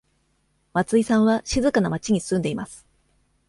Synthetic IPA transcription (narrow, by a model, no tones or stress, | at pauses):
mat͡sɨisãɰ̃βaɕizɨkanamat͡ɕiɲ̟isɨ̥ɨ̃nd̪e̞imasɨ̥